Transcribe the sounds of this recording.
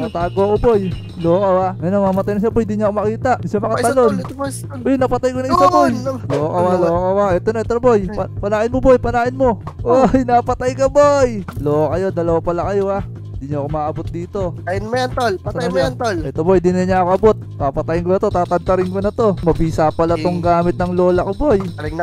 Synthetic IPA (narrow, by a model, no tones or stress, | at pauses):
nɐt̪aːɡoʔoboj | lookawamɛjnoŋmɐmɐt̪ajnɐsɐbojɪnd̪iɲʊɐkomɐkiːt̪aʔsɐmɐkɐt̪ɐlon | bojnɐpɐt̪ajkoɐɪsɐbojloʔokawaloʔokɐwaɛt̪onɐʔɛt̪obojpɐnaːʔɪnmobojpɐnaːʔɪnmo̞ʔojnapɐt̪ajkɐbojloʔokɐjo̞d̪ɐlɐwapɐlakɐjo̞a | ɪnd̪iɲʊʔɐko̞maːʔɐbot̪̚d̪iːt̪o̞ajnmɐjɐnt̪olpɐajant̪olʔɛt̪obojd̪ɪnɐjɲaʔɐko̞ʔɐbo̞t̪̚papɐt̪ajɪŋk̬onɐt̪o̞t̪aːt̪ɐd̪t̪ɐɾɪŋkonɐt̪o̞mɐbiːsapɐlat̪oŋɡaːmɪt̪̚nɐŋlo̞ːlɐkoboj